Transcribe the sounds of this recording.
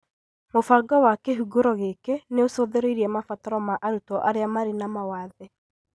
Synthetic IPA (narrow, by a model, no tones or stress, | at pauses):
mofaɡɔwakeɦuɡoɾɔɣekeneosoðeɾoiɾiɛmafataɾɔmaʔaɾutɔʔaɾeamaɾinamawaðɛ